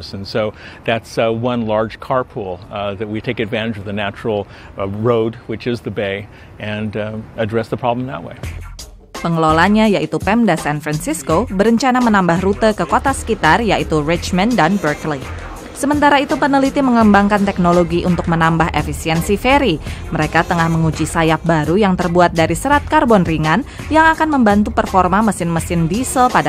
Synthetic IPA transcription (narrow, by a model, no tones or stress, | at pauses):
sɨ̃n̩soʊðætswʌ̃nlɑɹd̥d͡ʒ̥kʰɑɹpʰulˠðɨt̚witʰeɪkɨdvæ̃ɾ̃ɨd͡ʒʌvðɨnæt͡ʃɹ̥l̩ˠ | ɹoʊd̚wɨt͡ʃɨzðɨbeɪ | ʔɨ̃nɨdɹɛsðəpʰɹ̥ɑblə̃mðə̰ʔ̚wḛɪ | pəŋəlolaɲajaʔit̪upɛmdasanfɾansiskobəɾəɲt͡ʃanamənambahɾut̪əkəkot̪asə̥kit̪arjaʔit̪urɪt͡ʃməndanbərkli | səmənt̪aɾait̪upənəlit̪iməŋəəmbaŋkant̪ɛk̚noloɡiʔunt̪ʊk̚mənambaɦefisiɛnsifeɾiməɾekat̪əŋahməŋud͡ʒisajap̚baɾujaŋt̪ərbuat̪̚daɾisəɾat̪̚karbɔnriŋan | jaŋakanməmbant̪upərfɔrmaməsɪnməsɪndisəlpada